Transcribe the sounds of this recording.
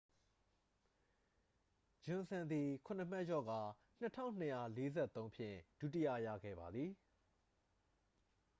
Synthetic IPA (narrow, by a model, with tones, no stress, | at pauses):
d͡ʑʊ̃˨sã˨nd̪i˨kʰʊ̃˨n̥ə˨m̥ɛ˦ʔjɔ̰˦˨ɡa˨ | n̥ə˦tʰã̰˦ʊ̃n̥ə˨ja˦˨le˦zɛ˦˨t̪ːõ˦ʊ̃mpʰjɪ̰̃˦˨d̥u˦˨tɪ˦jä̰˦˨ja̰˦˨ɡɛ̰˦˨ba˨d̪ði˨